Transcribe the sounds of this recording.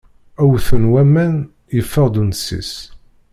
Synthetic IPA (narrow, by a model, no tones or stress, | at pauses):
æwθənwæmːæn | jəfːəʁd̪unsḭs